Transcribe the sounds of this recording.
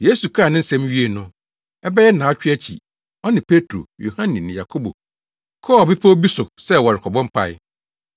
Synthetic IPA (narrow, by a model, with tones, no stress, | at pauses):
je˦su˨kʰa˦˨nɪ̃˦n̩˦sɛ̃˦mɥi˦e˨nʊ̃˦ | ɛ˦bɛ˦jɛ˦nã˨˦t͡ɕᶣɪ˦æ˦t͡ɕʰḭ˨ | ɔ˦nɪ̃˨pʰe˦tʰɾo̰˨jo˨hã˦nɪ̃˨nɪ̃˨ja˨kʰo˦bo̰˨ | kʰɔ˦˨bɪ˦pʰa˦o˦bi˦sʊ˨sɛ˦˨wɔ˨ɾɪ˨kʰɔ˨bɔ̃˦m˦pʰa̰˨ɪ̰˦